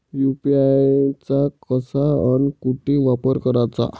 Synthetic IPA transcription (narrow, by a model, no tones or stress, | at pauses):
jupiat͡sakəsaənkuʈʰiʋapəɾkəɾat͡sa̰